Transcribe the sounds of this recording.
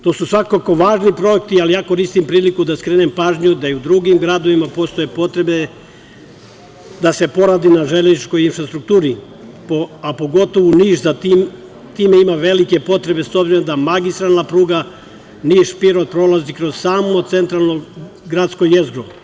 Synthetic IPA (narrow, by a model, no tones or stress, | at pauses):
t̪o̞ːsusʋakako̞ʋaːʒnipɾo̞ekt̪ialijaːkoɾist̪impɾiːlikud̪askɾeːnempaːʒɲud̪aiud̪ɾuɡimɡɾad̪oʋimapo̞st̪o̞jepo̞t̪ɾe̞be | d̪ase̞po̞ɾaːd̪inaʒelenit͡ʃko̞jinfɾast̪ɾuk̚t̪uːɾi | poapo̞ɡo̞t̪oʋuniːʒzat̪im | t̪iːmeimaʋe̞like̞po̞t̪ɾe̞be̞sobziɾomd̪amaɡist̪ɾalnapɾuːɡa | niːʃpiɾod̪̚pɾo̞lazikɾozsaːmot̪se̞nt̪ɾalno | ɡɾaːd̪skojezɡɾo